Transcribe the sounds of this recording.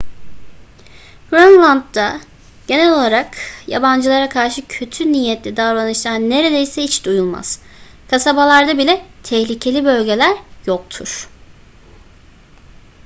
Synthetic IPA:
ɾonlˠand̪̚d̪a | ɟ̥e̞nɛlʲo̞lˠaɾakja̰band͡ʒɯlˠaɾakʰaɾʃɯcʰø̞t̪ʰyniːjːɛt̪lʲid̪alanɯʃlˠane̞ɾe̞d̪ejsɛit͡ʃd̪ujulˠma̰z̥ | kʰasabalˠaɾd̪abilʲɛt̪ʰɛhlʲicʰe̞lʲibø̞lʲɟe̞lʲæɾjok̚t̪ʰuɾ̥

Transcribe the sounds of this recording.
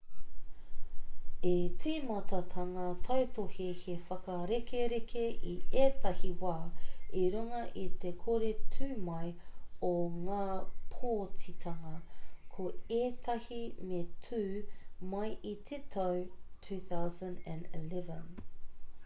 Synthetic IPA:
etʰeːmɐt̪ɐt̪ʰɐŋɐt̪ʰɐwt̪ohihefɐkɐɾekeɾekʰeʔieːtɐhiwaːiɾuŋɐʔit̪ekʰoɾetʰʉmɐjoŋaːpʰoːt͡sit̪ʰɐŋɐkʰoeːt̪ʰɐhimetʰʉːmɐjʔit̪ʰetʰɐwtʰʉːθawzɐ̃ndæ̃nḭlɛvə̰̃n

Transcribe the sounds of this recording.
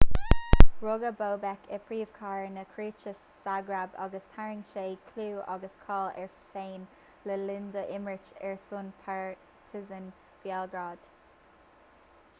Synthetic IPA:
ɹoɡəboːbɛkʰəpʰɹiːv̥kʰɑːɹnəkʰɹiːt͡ʃəsːaɡɹabɑ̰ɡəst̪ʰaɹɪŋʃeːkʰluːʔɑ̰ɡəskʰɑːlɛ̰ɹfeːn | ləlɪnd̪əʔɪmɹɪt͡ʃɛɹsʊnpʰaɹ | tʰɪzən | b̥jalɡɹaːd̪̥

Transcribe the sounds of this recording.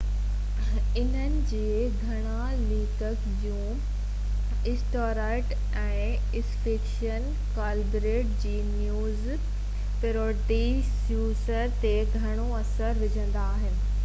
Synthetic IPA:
ɪnənɪ̆d͡ʑeː | ɡʱɐɽ̃a | liːkək | d͡ʑũː | ɪsʈoːɾaɪʈ | ɛ̃ː | ɪsfiːkʃən | kaːlbɾeːʈ̚d͡ʑiːnjuːz | pɪɾoːʈi | sjuːsəɾt̪eɡʱɐɽ̃oɐsəɾʋɪd͡ʑʱə̃nd̪aːɦɪnɪ̆

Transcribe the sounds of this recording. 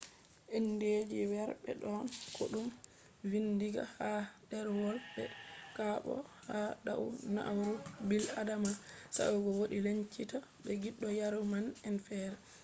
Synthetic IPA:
ʔenːded͡ʒiwɛɾɓɛ̰ɗɔnkʰo̰ɗum | vindiɡa̰hadɛɾwɔlbɛ̰kaɓɔ̰haɗa̰wna̰ʔwɾubiladamansa̰wuɡɔwoɗileɲt͡ʃitaɓɛɡiɗːɔjaɾumanɛnfɛɾɛ

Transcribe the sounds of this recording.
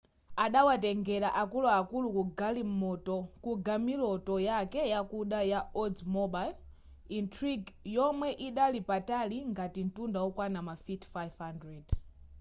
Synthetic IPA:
aɗawatɛŋɡɛɾaʔakulɔakulukuɡalim̩mɔtɔkuɡamilɔtɔjakɛjakuɗajaɔdmɔɓail | intʰɾiɡjɔmwɛʔiɗalipataliŋɡatin̩tundawɔkwanamafitfajvhandɾɛd

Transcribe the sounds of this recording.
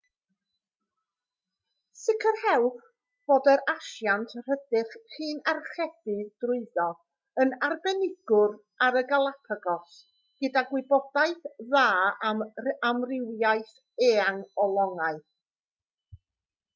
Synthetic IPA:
sɪkʰərhɛwp | b̥oːdɛɾaʃjantʰr̥ədɪχhiːnarχɛθɨd̥rʊɨðɔ | ənarbɛnɪɡ̥ʊr | aɾəɡalˠapʰaɡɔs | ɡ̥ədaɡwɪbɔd̥aɨθðaːaamrɪwjaɨθ | eːaŋɔlˠɔŋaɨ

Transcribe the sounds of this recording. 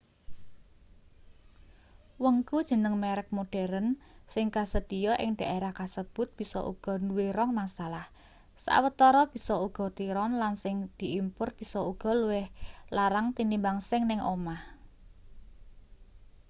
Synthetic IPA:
wəŋkud̥ʒ̥ə̤nəŋmeɾɪk̚moɖ̥ɛ̤ɾənsɪŋkasəd̪̥ijɔʔɪ̰ŋɖ̥a̤ʔeɾahkasəb̥ʊ̤t̪̚b̥i̤sɔ̰ʔṵɡ̥ɔ̤nuwiɾɔŋmasalah | sa̰wət̪ɔɾɔb̥i̤sɔuɡ̥ɔ̤t̪iɾɔnlansɪŋd̪̥i̤ʔimpʊrb̥i̤sɔuɡ̥ɔ̤luwɪhlaɾaŋt̪inimbaŋsɪŋnɪŋʔomah

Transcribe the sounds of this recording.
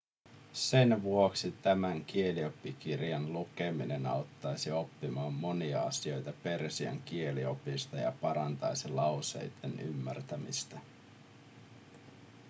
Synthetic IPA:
se̞nʋuo̞ksit̪æmæŋk̟ie̞lio̞pːik̟irjɑnluke̞mine̞nɑ̰ot̪ːɑjsio̞pːimɑːmːo̞niɑɑsio̞jt̪ɑpe̞rsiɑ̰ŋk̟ie̞lio̞pist̪ɑjɑ̰pɑɾɑnt̪ɑjsilɑwse̞̰jd̪̥eny̰mːært̪æmḭst̪æ

